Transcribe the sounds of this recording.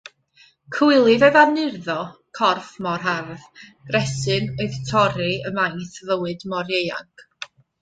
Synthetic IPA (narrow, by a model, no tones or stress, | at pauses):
kʰwɪlˠɪvɛðanɪrðɔkʰɔrfmɔrɦarðɡ̥rɛsɨnoɨðtʰɔɾiəmajθvəwɨdmɔɾjeja̰ŋk